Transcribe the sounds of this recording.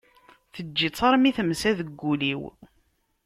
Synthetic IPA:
θəd͡ʒːit͡sˤːɑɾˤmiθəmsæðəɡːuliw

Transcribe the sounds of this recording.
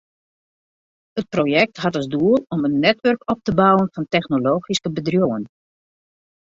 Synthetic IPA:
ət̚proːjɛk̚tɦɑtɑzduəlˠɔmənːɛtʋɵrkɔp̚təbɔwənfɑntɛxnoloːxiskəbədrjoən

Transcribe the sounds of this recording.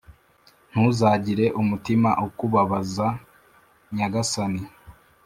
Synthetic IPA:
n̥huzaːɟiɾe̞ʔumutimaʔukuβaβaza | ɲaɡasani

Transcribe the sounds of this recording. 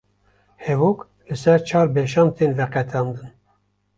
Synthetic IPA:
hɛvok | lɨsɛɾt͡ʃʰɑːɾbeʃɑːnt̪ʰeːnvɛqɛt̪ʰɑːnd̪ɨn

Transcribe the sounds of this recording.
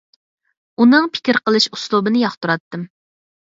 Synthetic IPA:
unɨŋpʰɪ̥kʲɪɾqəlˠɨʃuslˠubɨnɪjɑχt̪ʰuɾɑt̪ːɨm

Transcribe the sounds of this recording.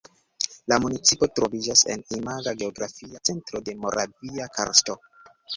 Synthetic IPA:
lamunit͡sipo̞tɾo̞vid͡ʒase̞̰nimaɡaɡe̞oɡɾafiat͡se̞ntɾo̞de̞mo̞ɾʔa̰viakʰa̰ɾsto̞

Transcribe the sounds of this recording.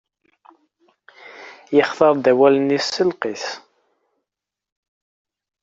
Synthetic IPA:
jəχθɑɾˤd̪æwælənisːəlqiθ

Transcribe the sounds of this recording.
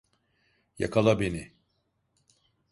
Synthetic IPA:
jakʰalˠabeni

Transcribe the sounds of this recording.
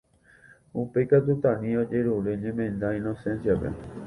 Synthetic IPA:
upe̞jkat̪̬ut̪ãnĩo̞d͡ʒe̞ɾuɾeɲẽmẽ̞nd̪aĩnosẽ̞nsiapḛ

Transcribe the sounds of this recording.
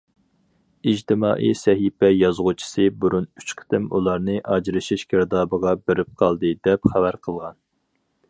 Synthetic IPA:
id͡ʒt̪ʰɪmɑːʔḭsɛɦipɛjɑzʁut͡ʃʰi̥sɨbuɾunyt͡ʃqʰə̥t̪ɪmṵlˠɑɾnɨʔɑd͡ʒɾɨʃiʃkʲʰɪɾd̪ɑːbəʁɑbeɾɪp̚qʰɑlˠd̪ɨd̪ɛpχævæɾqʰəlˠʁɑn

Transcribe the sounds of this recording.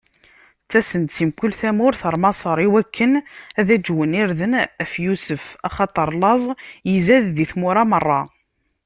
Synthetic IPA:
t͡sːæsənt̪simkʊlθæmʊɾθəɾˤmɑsˤəɾˤiwækʰːənæðæd͡ʒwəniɾðənæfjusəfɑχɑt̪ˤəɾˤlɑzˤjizæððiθmʊɾɑmərˤːɑ

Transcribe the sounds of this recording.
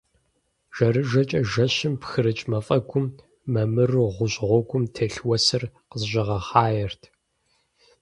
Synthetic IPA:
ʒ̥ɐɾɨʒɐt͡ʃʼɐʒɐɕɪmpxɨɾɨt͡ʃʼmɐfʼɐɡʷʊmː | ɐmɨrʁʷʊɕʼʁʷɔɡʷʊmtʰeɬwɐsɨrqəzʒɪʁɐχɑːjɛrtʰ

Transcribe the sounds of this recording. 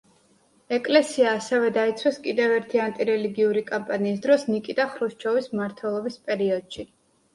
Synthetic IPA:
ɛkʼlɛsiaːsɛvɛd̪ait̪sʰwɛskʼid̪ɛvɛɾt̪ʰiant̪ʼiɾɛliɡiuɾikʼampʼaniːs̬d̪ɾɔsnikʼid̪aχɾuʃt͡ʃʰɔvismaɾt̪ʰwɛlˠɔbispʼɛɾiɔd̪̥ʃi

